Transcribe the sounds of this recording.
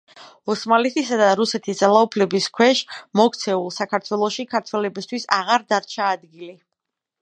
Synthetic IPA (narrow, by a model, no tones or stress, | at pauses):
ɔsmalɛt̪ʰisad̪aɾusɛt̪ʰisd̪zalˠaupʰlɛbiskʰwɛʃmɔkt̪sʰɛulˠsakʰaɾt̪ʰwɛlˠɔʃikʰaɾt̪ʰwɛlɛbist̪ʰwisaʁaɾd̪aɾt͡ʃʰaːd̪ɡili